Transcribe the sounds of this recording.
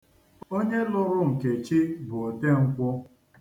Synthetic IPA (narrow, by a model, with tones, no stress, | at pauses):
o˦ɲe˦lʊ˦ɾʊ˦ŋ̩˨ke˨t͡ʃi˦bʊ˨o˨te˦ŋ̩˦kʷʊ˦